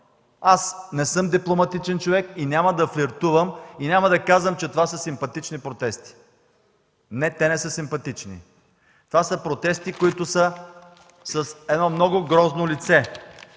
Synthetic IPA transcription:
asnɛsɤmd̪iplˠomɐt̪it͡ʃɛnt͡ʃovɛkinʲamɐd̪ɐflʲiɾt̪uvəminʲamɐd̪ɐkazvəmt͡ʃɛt̪ovasəsimpɐt̪it͡ʃnipɾot̪ɛst̪i̥ | nɛt̪ɛnɛsəsimpɐt̪it͡ʃnḭ | t̪ovasəpɾot̪ɛst̪ikoit̪ʊsə | sɐsɛd̪nɔmnɔɡʊɡɾɔznolit̪sɛ

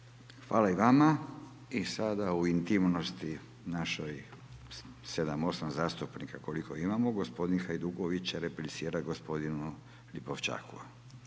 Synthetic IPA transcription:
xʋaːlaiʋama | isad̪auint̪imno̞st̪i | naʃoj | sed̪amo̞samzaːst̪upnikako̞liko̞imamoɡospo̞d̪inxajd̪uɡoʋit͡ɕeɾepɾesiːɾaɡospo̞d̪inu | liboʋt͡ʃa̰ːkṵ

